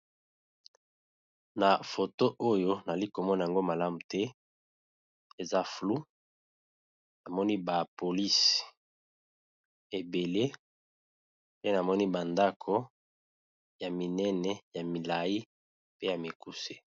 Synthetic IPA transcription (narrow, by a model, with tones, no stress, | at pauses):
na˨fo˨to˦ʔo˦jo˦na˨li˦ko˨mɔ˦na˨ja˨ŋɡo˦ma˨la˦mu˨tɛ˦ | e˨za˦flu˦ | na˨mɔ˦ni˦ba˨po˨li˦s | e˨be˨le˦ | pe˦na˨mɔ˦ni˦ba˨nda˦kʰo˦ | ja˨mi˨nɛ˦nɛ˨ja˨mi˨la˨ji˦ | pe˦ja˨mi˨ku˦se̥˦